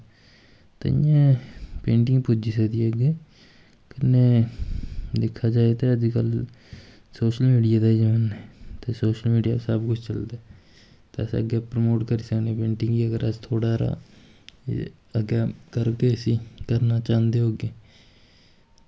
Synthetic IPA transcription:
t̪ḛɪ̰jãːpẽːɳʈɪŋɡpud͡ʒiːsəkd̪iːəɡeː | kənːeː | d̪ɪkʰːaːd͡ʒaːet̪eːəd̪iːkəl | soːʃəlmiːɖijaːd̪aːid͡ʒəʋaːnɦɛːt̪eːsoːʃəlmiːɖija̰ːsəbkʊt͡ʃʰt͡ʃəld̪aː | t̪eəsə̰ɡepɾəmoːʈkəɾiːsəkneːpẽːɳʈɪ̃ŋɡɡiːəɡəɾəst̪ʰoːɽaːɾa̰ː | əɡeːkəɾkeːəsĩːkəɾnaːt͡ʃãːnd̪eːɦoːɡeː

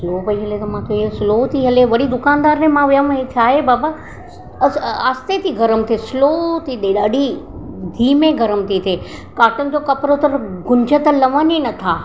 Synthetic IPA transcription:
sloːpɐiɦɐlet̪ɐmãt̪ʰoisɪloːt̪ʰiɦɐleʋɐɽid̪ʊkaːnd̪aːɾnẽmãʋʊjəmɦet͡ɕʰaːɦebaːba | aːst̪et̪ʰiɡʱɐɾəmt̪ʰesloːt̪ʰiɗ̪eɗaːɖʱid̪ʱiːmẽɡʱɐɾəmt̪ʰit̪ʰe | kaːʈənɪ̆d͡ʑoːkɐpɾot̪ɐɾɡʊ̃ɲd͡ʑʱət̪ɐlɐʋəninɐt̪ʰaː

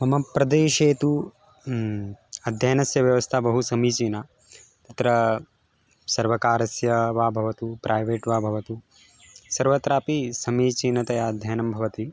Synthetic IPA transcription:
mɐmɐpɾɐd̪eːʃeːt̪u | ɐd̪ʱjaːnɐsjɐʋjɐʋɐst̪ʰabɐɦusɐmiːt͡ʃiːna | t̪ɐt̪ɾɐ | sɐɾʋɐkaːɾɐsjɐʋaːbʱɐʋɐt̪upɾʔaːjʋeːʈʋaːbʱɐʋɐt̪u | sɐɾʋɐt̪ɾaːpisɐmiːt͡ʃiːnɐt̪ɐjaɐd̪ʱjaːnɐmbʱɐʋɐt̪i

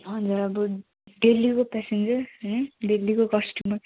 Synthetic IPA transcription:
ɦʌ̃d͡zuɾʌbʌ | ɖelːikopɛsend͡zʌrɦnɖelːikokʌsʈjuməɾ

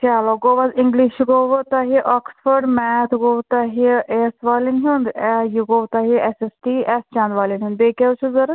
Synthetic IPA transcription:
kalɔɡoʋaziŋɡliʃɡoʋət̪aɦiʔɔksfəɾɖmɛt̪ʰɡowt̪aɦiesʋaːlinɦund̪jiɡowt̪aɦiesesʈiɛst͡ʃãnd̪ʋalinɦũnd̪bekewt͡ʃʰuzəɾ

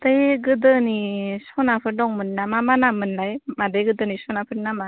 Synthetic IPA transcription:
tɯjɡɯdɯnisɔnapʰɯɾdɔŋmɯnːamamanamɯnlajmadɯjɡɯdɯnisɔnapʰɯɾnama

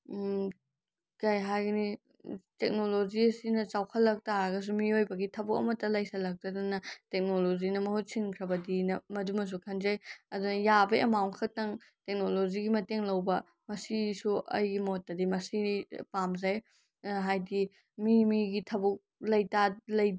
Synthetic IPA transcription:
kɐjɦajɡɐni | tek̚noloziɐsinɐt͡ʃawkʰɐlːɐk̚taɾɐɡɐs̬umiojbɐɡitʰɐbuk̚ɐ̰mɐtːɐlɐjsɐlɐk̚tadunɐtek̚nolozinɐmɐhut̚sʰiŋkʰɾɐbɐdinɐmɐdumɐs̬ukʰɐnzajɐdunɐjabɐʔɐ̰maŋkʰɐk̚tɐŋtek̚noloziɡimɐteŋlɐwbɐ | mɐsisuʔɐ̰jɡimotːɐdimɐsipamzaj | ɦajdi | mimiɡitʰɐbuk̚lɐjtalɐj

